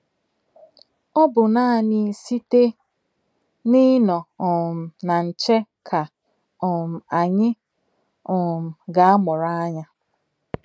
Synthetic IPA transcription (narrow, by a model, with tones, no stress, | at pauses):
ɔ˦bʊ˨naː˦˨nɪ˨si˦te˦ | nɪ˦nɔ˨ɔ˨m̩˨na˨n̩˨t͡ʃe˦ | kʰa˨ | ɔ˨m̩˨a˨ɲɪ˦ | ɔ˨m̩˨ɡa˨a˦mʊ˨ɾa˦a˦ɲa˦